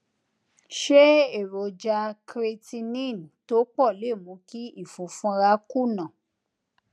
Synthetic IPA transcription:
ʃe˦e˦˨ɾo˨d͡ʒa˧kɾe˧ti˧nĩ˦˨n˨to˦k͡pɔ˦˨le˦˨mũ˨˧˦ki˦i˦˨fũ˨˦fũ˦ɾa˧˦ku˦˨nã˨

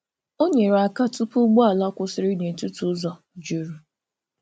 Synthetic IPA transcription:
o˦ɲe˨ɾa˨ka˦tu˦pʊ˦ɡ͡bo˦a˨la˦kʷʊ˦sɪ˨ɾɪ˦ɲe˨tʊ˦tu˦zɔ˨ | d͡ʒo˨ɾu˨

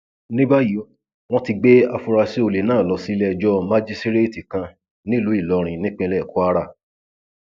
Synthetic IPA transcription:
nĩ˦ba˦ji˨˦ | w̃ɔ̃˦ti˧ɡ͡be˦a˧fu˧ɾa˧se˦o˧le˨nãː˦˨lɔ˨˧si˦lɛ˧˨d͡ʒɔ˦ma˦d͡ʒi˦sti˦ɾe˦˨ti˨kã˧ | nĩ˦lu˨˦i˦˨lɔ˨˦ɾ̃ĩ˨nĩ˦k͡pẽ˦˧lɛ˦˨ku˨˦a˦ɾa˦˨

